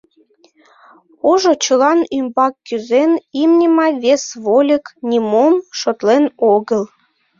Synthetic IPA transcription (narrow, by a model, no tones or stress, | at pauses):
oʒot͡ɕəlɑnymbɑkːyzenimnʲəmɑjβesβolʲəknʲimomʃot̪lenoɣəl